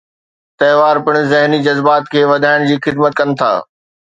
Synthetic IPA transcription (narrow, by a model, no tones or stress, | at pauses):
t̪ɐɦʋaːɾpɪɽ̃̆zɪɦnid͡ʑɐzbaːt̪kʰeːʋɐd̪ʱaːɪɽ̃d͡ʑiːxɪd̪mət̪̚kɐnɪ̆t̪ʰa̰ː